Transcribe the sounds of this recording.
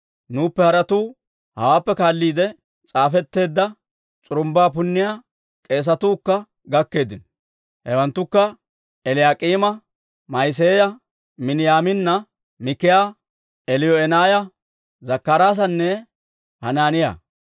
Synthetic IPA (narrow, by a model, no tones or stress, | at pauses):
nuːpːɛhɐɾɐt̪uː | hɐwaːpːɛkaːlːiːd̪ɛ | t͡sʼaːfɛt̪ːe̞ːd̪ːɐ | t͡sʼʊɾʊmbaːp̬ʊnːɪjaː | kʼe̞ːs̬ɐt̪uːkːɐ | ɡɐkːe̞ːd̪ɪnɔ | hɛwɐnt̪ːʊkːɐ | ɛlɪjaːkʼiːmɐ | mɐjs̬eːjɐ | mɪnɪjaːmɪnːɐ | mɪkːɪjaː | ɛlɪjɔɛnaːjɐ | zɐkːɐɾaːs̬ɐnːɛ | hɐnaːnɪja̰ː